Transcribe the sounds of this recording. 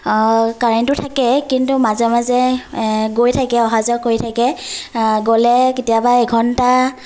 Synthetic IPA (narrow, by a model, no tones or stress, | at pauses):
kaɹɛntʊtʰakɛkintumazɛmazɛ | ɡojtʰakɛɔɦazɔkojtʰakɛ | ɡolɛketijabaɛɡʰʱɔnta